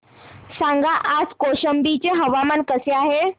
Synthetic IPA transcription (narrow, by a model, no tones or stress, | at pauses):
sãŋɡaʔad͡zkoɕəmbit͡ɕeɦəʋamənkəseaɦe